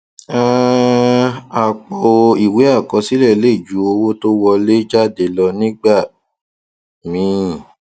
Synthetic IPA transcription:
a˦ | a˨k͡pɔ˧o˧i˨we˨˦a˦˨kɔ˧si˦lɛ˦˨le˦˨d͡ʒu˨˦o˧wo˦to˦wɔ˧le˦d͡ʒa˦˨de˨˦˨lɔ˧nĩ˦ɡ͡ba˦˨ | mĩ˨˦˨

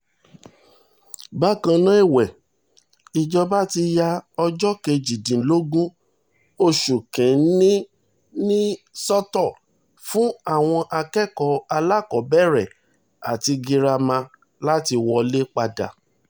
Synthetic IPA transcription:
ba˦kã˧nã˦i˦˨wɛ˨ | i˨d͡ʒɔ˧ba˦ti˧ja˧ɔ˧d͡ʒɔ˦ke˧˨d͡ʒi˨dĩ˨˦lo˦ɡũ˦ | o˧ʃu˨kɛ̃˨˦nĩ˦ | nĩ˦sɔ˦tɔ˦˨ | fũ˦a˦˨w̃ɔ̃˧ʔa˧kɛ˦˨kɔ˨˦a˧la˦˨kɔ˨˦bɛ˦˨ɾɛ˨ | a̰˨ti˧ɡi˧ɾa˧mã˧ | la˦ti˧wɔ˧le˦k͡pa˧da̰˨

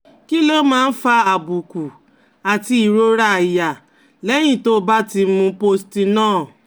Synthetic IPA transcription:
ki˦lo˦mãː˦˧n̩˦fa˧a˨bu˨ku˨ | a˨ti˧i˨ɾo˧˦ɾa˦˨i˨ja˨ | lɛ˨˦j̃ĩ˦˨to˦ba˦ti˧mũ˧po˧sti˧nãː˦˨

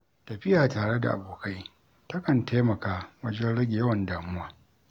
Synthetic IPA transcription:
tɐ˨ɸɪ˦jaː˨taː˨ɽe˦da̰˨ʔa̰˨boː˨ka˦j | tɐ˦kɐ˨ntʰeː˦mɐ˨kaː˦wɐ˦d͡ʒɛ˦nɽɐ˦ɡʲɪ˨jɐ˦wɐ˨ndaː˨mʊ˦waː˦

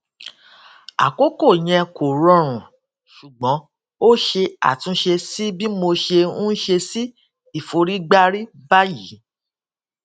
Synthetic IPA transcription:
a̰˨ko˦ko˦˨j̃ɛ̃˧ko˨ɾɔ̃˧ɾ̃ũ˨ | ʃu˨ɡ͡bɔ̃˨˦ | o˦ʃe˧a̰˨tũ˧˦ʃe˧si˦bi˦mo˧ʃe˧ũ˦ʃe˧si˦ | i˦˨fo˧ɾi˦ɡ͡ba˦ɾi˦ba˦ji˨˦

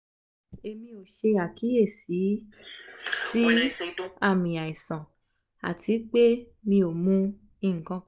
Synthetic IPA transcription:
e˧mĩ˧o˨ʃe˧a˨kʰi˨˦e˦˨si˨˦ | si˦ | a˦˨mĩ˨a˨i˨sã˨ | a̰˨tʰi˨˦k͡pe˦ | mĩ˧o˨mũ˦ | ĩ˦˨kɔ̃˦

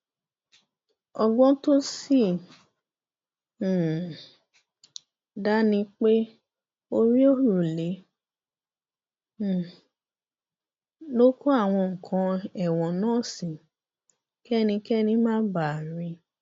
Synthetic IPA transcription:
ɔ˧ɡ͡bɔ̃˦to˦si˦˨ | da˦nĩ˧k͡pe˦ | o˧ɾĩ˦o˦˨ɾu˦˨le˨˦˨ | lo˦ko˦a˦˨w̃ɔ̃˧ŋ̩˨kʰã˧ɛ˦˨w̃ɔ̃˨nãː˦˨sĩ˨ | kɛ˦˨nĩ˧kɛ˦˨nĩ˧˦mãː˦ba˦˨ɾĩ˧

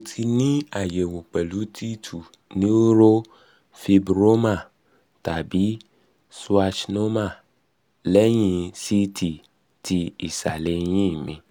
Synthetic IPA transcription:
o˨tʰi˧nĩ˦a˨je˨wo˨k͡pɛ˨lu˨˦tʰi˦tʰu˨ | nĩ˦wo˦ɾo˦ | fi˧bɾo˦mã˦˨ | ta˨bi˨˦ | swa˧t͡ʃno˦ma˦˨ | lɛ˦ɲĩ˧si˦tʰi˨ | tʰi˧i˨sa̰˨le˨˦ɲĩ˦˨mĩ˨

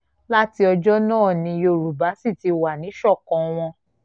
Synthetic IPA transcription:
la˦ti˧˦ɔ˧d͡ʒɔ˦nãː˦˨nĩ˧jo˧˨ɾu˨ba˨˦si˦˨ti˨˧wa˨nĩ˨˦ʃɔ˦˨kɔ̃˨˦w̃ɔ̃˧

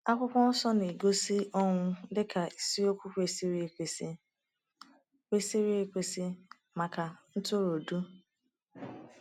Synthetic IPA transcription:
a˦kʷʊ˦kʷɔ˦n̩˦sɔ˦ne˨ɡo˦si˦ɔ˦ŋʷʊ˦dɪ˦kʰa˨i˨si˦o˦kʷu˦kʷe˨si˦ɾi˦e˨kʷe˨si˦ | kʷe˦si˦ɾi˦e˨kʷe˨si˦ | ma˨ka˨n̩˦to˦ɾo˨du˦

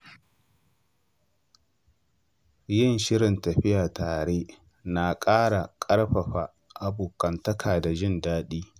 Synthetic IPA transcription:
jɪ˦˨nʃɪ˦ɽɪ˨ntɐ˨ɸɪ˦jaː˨taː˨ɽeː˦ | na˨kʼaː˦ɽa˨kʼɐ˦ɽɸɐ˨ɸa˨ | ʔa˨buː˨kɐ˨ntɐ˦kʰaː˨da˨d͡ʒɪ˦˨ndaː˦ɗiː˦

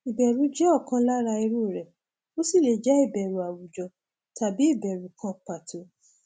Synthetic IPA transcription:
i˨bɛ˨ɾũ˨˦d͡ʒɛ˦ɔ˦˨kã˧˦la˦ɾa˧i˧ɾu˦˨ɾɛ˨ | o˦si˦˨le˨d͡ʒɛ˦i˦˨bɛ˨ɾu˨˦a˨wu˨d͡ʒɔ˧ | ta˨bi˨˦i˦˨bɛ˨ɾu˨˦kʰã˧˦k͡pa˨tʰo˨˦

